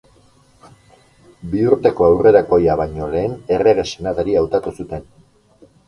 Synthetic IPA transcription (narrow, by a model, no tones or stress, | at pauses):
biuɾt̪e̞ko̞awre̞ɾako̞jaβajɲo̞le̞ːne̞re̞ɣ̞e̞se̞naðaɾiawt̪at̪usut̪e̞n